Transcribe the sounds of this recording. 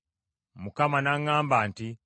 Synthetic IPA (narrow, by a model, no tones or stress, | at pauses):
mukamanaŋːaːmbaːnti